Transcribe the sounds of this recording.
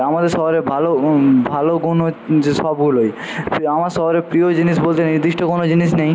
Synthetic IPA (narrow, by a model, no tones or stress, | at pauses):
amad̪eɾʃɔɦoɾebʱalobʱaloɡunod͡ʑʃɔbɡuloj | amaɾʃɔɦoɾepɾiod͡ʑiniʃbolt̪eniɾd̪iʃʈokonod͡ʑiniʃnej